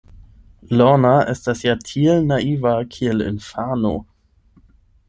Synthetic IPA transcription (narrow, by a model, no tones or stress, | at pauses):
lɔnaʔɛstasjatʰielnaivakʰielɪ̰nfano̰